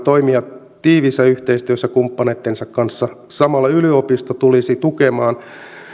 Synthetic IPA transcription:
t̪oimiɑt | t̪iːʋisːæyht̪eist̪yøsːækumpːɑnet̪ːensɑkkɑnsːɑsɑmɑlːɑyliopist̪ot̪ulisit̪ukemɑːn

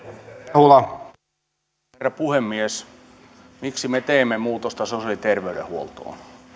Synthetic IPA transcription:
hulɑ | erːɑpuhemːies | miksimet̪eimːemuːt̪ost̪ɑseosolit̪erʋeyɾḛhuolt̪o̰ːn

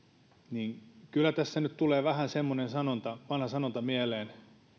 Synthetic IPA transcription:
niːŋkylːˑæt̪æsːænyt̪t̪uleːʋæhænsemːonensɑnont̪ɑʋɑnhɑsɑnont̪ɑmieleːn

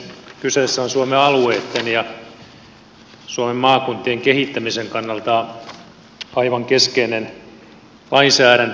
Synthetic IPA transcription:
kysesːæonsuomeɑlueːt̪ːenjɑ | suomemmɑːkunt̪ːieŋkehit̪ːæmiseŋkɑnːɑlt̪ɑ | ɑiʋɑŋkeskeinen | lɑinsæːɾænt̪

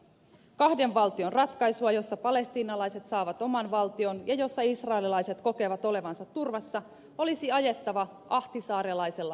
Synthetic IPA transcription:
kɑhde̞ɱʋɑlt̪io̞nrɑt̪kɑjsuɑjo̞sːɑpɑle̞st̪iːnɑlɑjse̞t̪sɑːʋɑt̪o̞mɑnʋɑlt̪io̞njɑjo̞sːɑisrɑelilɑjse̞t̪ko̞ke̞ʋɑt̪o̞le̞ʋɑnsɑt̪ːurʋɑsːɑ | o̞lisiɑje̞t̪ːɑʋɑ | ʔɑht̪isɑːɾelɑjse̞lːɑ

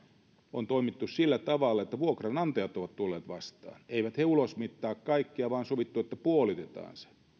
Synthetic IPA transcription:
ont̪oimit̪ːussilːæt̪ɑʋɑlːɑet̪ːæʋuokrɑnɑnt̪ɑjɑt̪oʋɑt̪t̪ulːeːt̪ʋɑst̪ɑ̰ːneiʋæt̪heulosmit̪ːɑːkkɑikːiɑʋɑːnsoʋit̪ːuet̪ːæpuolit̪et̪ɑ̰ːnse̥

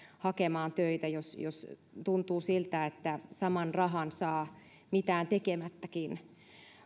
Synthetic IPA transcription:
hɑkemɑːnt̪øit̪æjosjost̪unt̪uːsilt̪æet̪ːæsɑmɑnrɑɦɑnsɑː | mit̪æːnt̪ekemæt̪ːækin

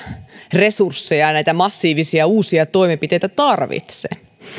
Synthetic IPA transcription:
re̞sursːejɑnæit̪æmɑsːiːʋisiɑuːsiɑt̪o̞imempit̪e̞jt̪æt̪ɑrʋḭt̪sḛ

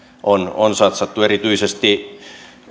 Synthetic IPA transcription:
ʔononsɑt̪sɑt̪ːueɾit̪yisest̪i

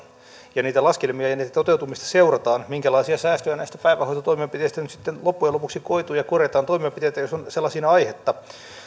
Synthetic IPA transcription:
jɑniːt̪ælɑskelmiɑjɑniːt̪æt̪ot̪eut̪umist̪ɑ̥seurɑt̪ɑːnmiŋkælɑisiɑsæːst̪øjænæist̪æpæiʋæhoit̪ɑt̪oimeɑpit̪eist̪ænyt̪si̥t̪ːenlopːujelopuksikoit̪uːjɑkorjet̪ɑːnt̪oimeɑpit̪eit̪æjosonselːɑsinɑɑihet̪ːɑ

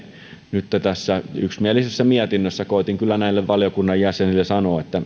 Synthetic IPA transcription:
nyt̪ːæt̪æsːæyksmiælisesːæmiæt̪inːøsːækoˑit̪iŋkylːænæilːeʋʋɑljokunːɑjjæsenilːesɑnoet̪ːæ

